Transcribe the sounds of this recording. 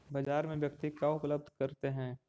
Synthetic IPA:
bɐd͡ʒaːɾmẽʋjɐkt̪ikaʊpləb̚d̪ʱkɐɾt̪eɦɛ̃ː

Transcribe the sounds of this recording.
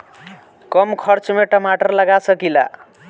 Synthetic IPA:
kʌmkʰʌɾt͡ʃmeʈʌmaʈʌɾlʌɡasʌkila̰

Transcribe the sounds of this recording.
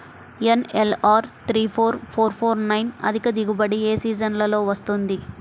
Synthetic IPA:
enelaːɾt̪ʰɾiːpʰoːɾpʰoːɾpʰoːɾnɐjnɐ̰d̪ʱikɐd̪iɡubɐɽieːsiːd͡ʒɐnlɐlo̞ːʋɐst̪und̪i

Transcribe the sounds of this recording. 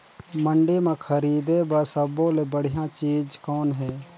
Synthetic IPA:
məɳɖemãkʰəɾiːd̪ebəsəbõlebəɽ̤ɪjãt͡ʃiːd͡ʒkɔːnɦɛː

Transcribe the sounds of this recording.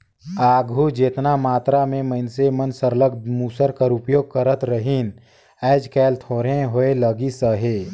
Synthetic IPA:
aːɡʱud͡ʒeːt̪namaːt̪ɾamẽməɪnsemənsəɾləɡ̚d̪muːsəɾkəɾʊpjoːɡ̚kəɾət̪ɾəɦin | ɛːd͡ʒkɛːlt̪ʰoːɾẽɦoeləɡisəɦeː

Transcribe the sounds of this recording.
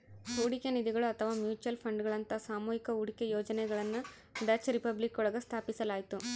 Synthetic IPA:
uːɽikenid̪iɡɐɭuɐt̪ʰɐʋaːmjuːt͡ʃuɐlpʰɐɳɖɡɐɭɐnt̪ɐsaːmuːɦikɐuːɽikejoːd͡ʒɐnɛɡɐɭɐnːu | ɖɐt͡ʃɾipɐblikɔɭɐɡɐst̪ʰaːpisɐlaːjt̪u

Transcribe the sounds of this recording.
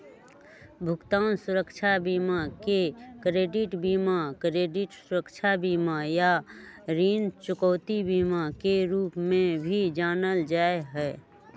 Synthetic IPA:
bʱʊɡt̪aːnsʊɾəkt͡ʃʰabiːmakekɾeːɖɪʈbiːmakɾeːɖɪʈsʊɾəkt͡ʃʰabiːmaja | ɾiːnt͡ʃʊkɔʊt̪ibiːmakeɾuːpmẽbʱid͡ʒaːnəld͡ʒaːeɦɛː

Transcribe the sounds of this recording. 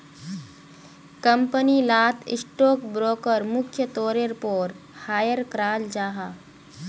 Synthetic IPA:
kɐmpənilaːt̪ʰɪ̰sʈoːkbɾoːkəɾmʊkʰjət̪oːɾeɾpoːɾ | haːjəɾkɾaːld͡ʒaːɦaː

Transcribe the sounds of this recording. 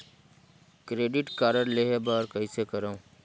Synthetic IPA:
kɾeːɖɪʈkaːɾəɾleɦebaːɾkəisekəɾaũ

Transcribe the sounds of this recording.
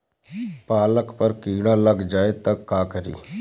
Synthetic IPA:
paːləkpəɾkiːɽalɐɡd͡ʒaːet̪ɐkːaːkəɾḭː

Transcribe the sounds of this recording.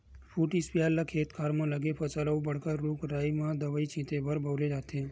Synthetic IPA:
fʰuːʈispijaːlːakʰeːt̪kʰaːɾmãləɡepʰət͡ʃalaũbəɽ̤kaɾuːkɾaːjmãd̪əʋaːit͡ʃʰĩt̪ebʱəɾbʱəʋɾed͡ʒaːt̪ẽ

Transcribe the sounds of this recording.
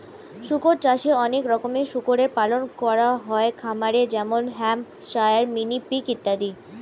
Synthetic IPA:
ʃukoɾt͡ɕaʃeɔnekɾɔkomeʃukoɾeɾpalonkɔɾaɦɔekʰamaɾed͡ʑɛmonɦɛm | ʃajaɾminipikit̪ːad̪i

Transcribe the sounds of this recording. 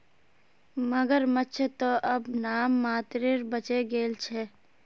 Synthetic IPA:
məɡəɾmətːt͡ʃʰet̪oʔɐbnaːmːaːt̪ɾeɾbət͡ʃeɡeːlt͡ʃʰe

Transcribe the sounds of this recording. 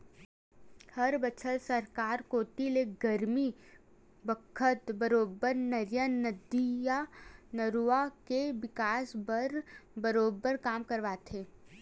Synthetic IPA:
hɐɾbət͡ʃʰəlsəɾkaːɾkoːt̪ileɡɐɾmi | bəkʰət̪bəɾoːbəɾnɐɾjənəd̪ːijanəɾuakeʋɪkaːsbəɾbəɾoːbəɾkaːmkɐɾʋaːt̪ʰeː

